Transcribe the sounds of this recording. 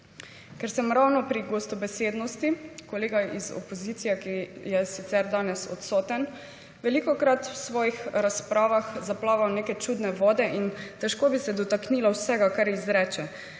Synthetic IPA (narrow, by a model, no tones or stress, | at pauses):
kɛɾsɛmɾawnɔpɾiɡost̪ɔbɛseːd̪nɔst̪ikoleːɡaizɔ̰pɔziːt̪sijɛkijɛsit̪sɛɾd̪aːnɛsɔ̰t̪sɔːt̪ɛn | ʋɛlikɔkɾat̪wsʋɔːjixɾaspɾaːʋaxzaplaːʋawneːkɛt͡ʃuːd̪nɛʋɔːd̪ɛʔint̪ɛʃkoːbisɛd̪ɔt̪akniːlawsɛɡakaɾizɾɛːt͡ʃɛ